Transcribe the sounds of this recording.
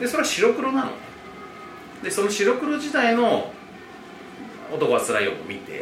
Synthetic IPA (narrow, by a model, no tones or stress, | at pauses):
d̪e̞so̞ɾe̞aɕiɾo̞kɯ̟ɾo̞nano̰e | d̪e̞so̞no̞ɕiɾo̞kɯ̟ɾo̞ʑit̪aino̞ | ot̪o̞koat͡sɨɾa̰io̰mo̰mʲit̪e̞̰